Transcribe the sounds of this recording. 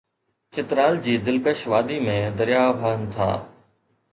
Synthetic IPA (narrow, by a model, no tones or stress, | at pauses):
t͡ɕɪt̪ɾaːld͡ʑiːd̪ɪlkəʃʋaːd̪iːmẽːd̪əɾɪjaːbʱaːənt̪ʰa̰ː